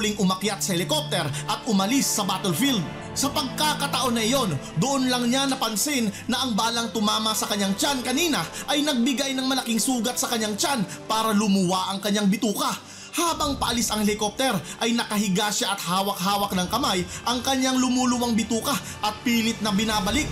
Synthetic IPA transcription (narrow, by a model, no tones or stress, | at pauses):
liŋʔʊmɐkjat̪̚sɐhɛlɪkop̚t̪ɛɾʔɐt̪̚ʔʊmɐlisːɐbaːt̪olfild̪̚ | sɐpɐɡ̚kakɐt̪ɐʔo̞nːɐʔɪjo̞nd̪ʊʔonlɐŋɲanɐpɐnsɪnːɐʔɐŋbaːlɐŋt̪ʊmaːmɐsɐkɐɲːaŋt͡ʃankɐniːnɐʔɐjnɐɡ̚bɪɡajnɐŋmɐlɐkiŋsuːɡɐt̪sɐkɐɲːaŋt͡ʃanpaːɾɐlʊmʊwaʔɐŋkɐɲːaŋbɪt̪uːkɐ | haːbɐŋpɐʔɐlisɐŋhɛlɪkop̚t̪ɛɾʔɐjnɐkɐɦɪɡaʃaʔɐt̪̚haːwɐk̚haːwɐk̚nɐŋkɐmajʔɐŋkɐɲːaŋlʊmulʊwaŋbɪt̪uːkɐ | ʔɐt̪̚piːlɪt̪̚nɐbɪnaːbɐlik̪̚